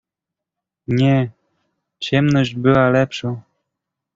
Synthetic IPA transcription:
ɲɛ | t͡ɕɛmnɔʑd͡ʑbɘwalɛpʂo

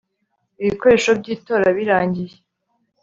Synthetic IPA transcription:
iβiko̞ɾe̞ːʃobɟiːto̞ːɾaβiɾaːɲɟije

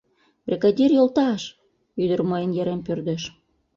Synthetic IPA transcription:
brʲekɑd̪ʲirjolt̪ɑʃ | yd̪ərməjənjeɾempørd̪eʃ

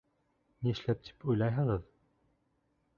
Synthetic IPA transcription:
niɘ̆ʃlæp̚t̪ʰi̥pujlˠɑjɦɤ̆ʁɤð

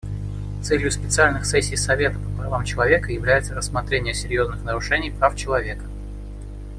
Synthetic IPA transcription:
t̪sɛlʲjʊspʲɪt̪sɨalʲnɨxsɛsʲːijsɐvʲe̞t̪əpəpɾɐvamt͡ɕɪlˠɐvʲe̞kəjɪvlʲæjɪt̪səɾəsːmɐt̪ɾʲenʲɪjəsʲɪɾʲjo̞znɨxnəɾʊʂɛnʲɪjpɾaft͡ɕɪlˠɐvʲekə̥

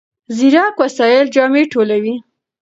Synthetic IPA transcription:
ziɾɑkwasɑjɪld͡ʒɑmeʈʰolawi

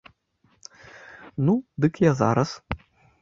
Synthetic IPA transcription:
nud̪ɨkjɛza̰ɾɐs

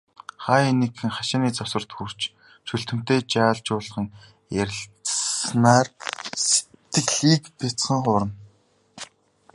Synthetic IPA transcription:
χaːjenikɘ̆ŋχaʃaːniːt͡sɔsə̆r̥t̪xur̥t͡ɕ | ʃɵɬt̪ɘ̆m̥t̪eːt͡ɕaːɮt͡ɕʊːɮ̆χə̆ŋ | jæɾʲɪ̆ɬt͡snaːrse̥tt̪ːɘ̆kɮiːkpet͡sχə̆ŋχʊːɾə̆n

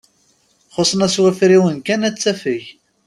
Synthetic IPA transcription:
χosˤnæswæfɾiwənkænæt͡sːæfəç

